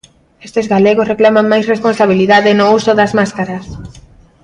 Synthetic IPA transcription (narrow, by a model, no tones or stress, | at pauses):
est̪ezɣaleɣosreklamaŋmajsresponsaβ̞iliðaðɪnʊusʊðɐzmaskaɾɐs